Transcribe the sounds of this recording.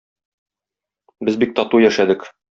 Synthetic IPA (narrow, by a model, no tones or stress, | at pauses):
bɘzbik̚t̪ɒt̪ujæʃæd̪ɘk